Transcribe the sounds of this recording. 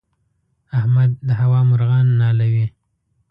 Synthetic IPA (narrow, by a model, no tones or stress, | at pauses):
ahmad̪̚ːəɦawɑmʊɾɣɑnːɑlawi